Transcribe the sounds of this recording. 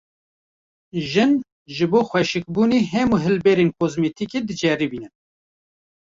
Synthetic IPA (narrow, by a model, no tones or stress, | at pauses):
ʒɨn | ʒɨboːxʷwɛʃɨk̚buːniːɦɛmuːɦɨlbɛːɾenkʰozmet̪ʰikeːd̪ɨd͡ʒɛɾibiːnɨ